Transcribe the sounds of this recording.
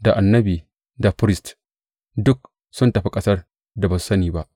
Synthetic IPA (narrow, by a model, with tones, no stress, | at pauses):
da˨ʔa˨nːɐ˦biː˨ | da˨ɸɾɪ˦st | dʊ˦k̚ | sʊ˦ntɐ˨ɸi˦kʼɐ˦sɐ˦r | da˨ba˨ssɐ˦niː˨ba˦ʔ